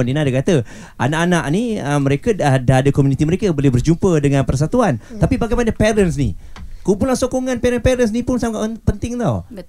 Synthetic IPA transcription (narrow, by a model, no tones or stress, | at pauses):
ninadakat̪ə | ʔa̰naʔanaʔniəməɾekədadaɦadakomunit̪iməɾekabolɛhbərd͡ʒumpədəŋãnpərs̬at̪uant̪apibaɡajmanəpɛɾəns̬nḭkumpulaŋsokɔŋãnpɛɾənpɛɾəns̬nipʊnsaŋaʔpənt̪ɪŋt̪aw